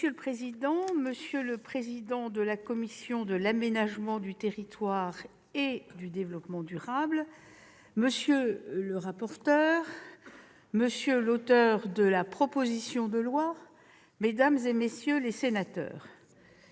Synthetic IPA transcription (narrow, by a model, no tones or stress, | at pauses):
əsjøləpχezid̪ɑ̃məsjøləpχezid̪ɑ̃d̪əlakɔmisjɔ̃d̪əlamenaʒmɑ̃d̪yt̪eʁit̪waʁ | ed̪yd̪evlɔpmɑ̃d̪yʁabl | məsjøləʁapɔʁt̪œːʁ | məsjølot̪œʁd̪əlapχɔpozisjɔ̃d̪əlwa | med̪amzemesjølesenat̪œ̰ːʁ